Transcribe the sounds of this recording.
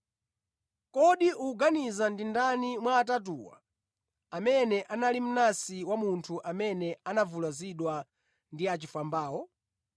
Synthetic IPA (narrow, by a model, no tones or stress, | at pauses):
kɔɗiʔuːɡanizandindanimwaːtat̬uwa̰ | amɛnɛʔanalim̩nasiwamuntʰuʔamɛnɛanavulaziɗwa | ndiat͡ʃifambaːwɔ